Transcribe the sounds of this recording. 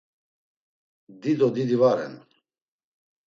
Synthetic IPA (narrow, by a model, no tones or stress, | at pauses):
d̪id̪ɔd̪id̪ivaɾɛ̰n